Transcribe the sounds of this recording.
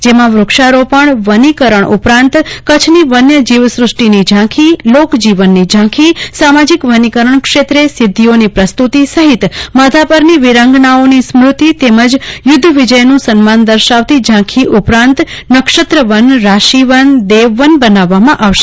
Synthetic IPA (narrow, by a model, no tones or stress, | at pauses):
d͡ʒemãʋɾʊkʃaɾopəɳʋənikəɾəɳʔupɾãnt̪kət͡ʃʰniʋənjəd͡ʒiʋsɾʊʂʈinid͡ʒʱãkʰilokd͡ʒiʋənːid͡ʒãkʰisamad͡ʒikʋənikəɾəɳkʃet̪ɾesɪd̪ʱːionipɾəst̪ut̪isəɦɪt̪məd̪ʱapəɾniʋiɾãŋɡɳaonismɾut̪it̪eməd͡ʒjʊd̪ʱːʋid͡ʒəjnũsənmand̪əɾʃaʋt̪id͡ʒʱãkʰiʔupɾãnt̪nəkʃət̪ɾəʋənɾaʃiʋənd̪eʋːənbənaʋːamãʔaʋʃe